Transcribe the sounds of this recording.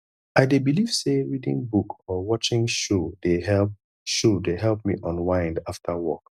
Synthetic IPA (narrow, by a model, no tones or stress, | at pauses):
aɪdebiliv̥seɹidḭ̃ŋbukʰɔwɔt͡ʃɪ̃ŋʃodehɛp̚ | ʃodeɦɛlˠp̚mḭʔɔ̃nwãɪ̃ndaftʰawɔ̰k